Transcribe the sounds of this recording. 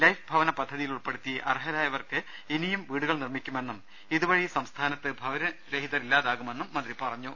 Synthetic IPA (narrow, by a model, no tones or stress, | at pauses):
lɐjfbʱɐʋɐnɐpɐd̪ʱːɐðijiluɭpe̞ɽut̪ːiʔɐ̰rɦɐðaːjɐʋɐrkɨ | enijumʋiːɽuɣɐɭnirmikʲːume̞nːum | iðuʋɐɻisɐmst̪ʰaːnɐt̪ːɨbʱɐʋɐɾɐɾeɦiðɐrilːaːðaːɣume̞nːumːɐnd̪ripɐrɐɲːu